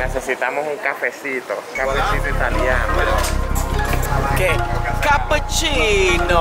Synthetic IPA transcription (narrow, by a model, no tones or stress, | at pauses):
nesɛsit̪amohuŋkafɛsit̪okafesit̪oit̪aliano | okekapət͡ʃino